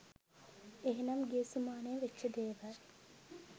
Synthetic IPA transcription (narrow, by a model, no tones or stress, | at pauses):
eɦinɐmɡeːsumaːneːʋet͡ʃːt͡ʃːɐd̪eːʋæː